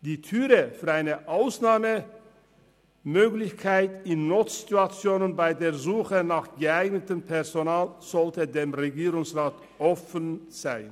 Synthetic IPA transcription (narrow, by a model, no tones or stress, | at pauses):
d̥iːtʰyːʁəfyːɐaɪnəʔaʊsnaːmə | møːɡlɪçkʰaɪtɪnːotituat͡sjoːnənbaɪdeːɐzuːxənaːχɡ̥əaɪɡnətəmpʰɛʁzonaːlz̥ɔltədeːmʁeɡiːʁʊŋsʁaːt | ʔɔfənz̥aɪn